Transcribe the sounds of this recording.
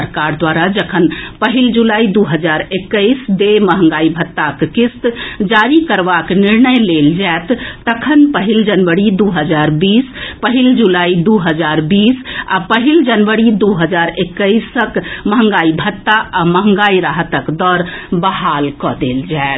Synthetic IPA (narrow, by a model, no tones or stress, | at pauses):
əɾkaɾd̪waɾad͡ʒəkʰənpəɦild͡ʒulaid̪uɦəd͡ʒaɾekːəɪsd̪eməɦə̃ŋɡaibʱət̪ːakkist̪d͡ʒaɾikəɾbakniɾnəjleld͡ʒaet̪ːəkʰənpəɦild͡ʒənʋəɾid̪uɦəd͡ʒaɾbispəɦild͡ʒulaid̪uɦəd͡ʒaɾbisa̰pəɦild͡ʒənʋəɾid̪uɦəd͡ʒaɾekːəɪsːəkməɦəŋɡaibʱət̪ːaʔaməɦə̃ŋɡaiɾaɦət̪əkd̪ɔɾbəɦalkɔd̪eld͡ʒaet̪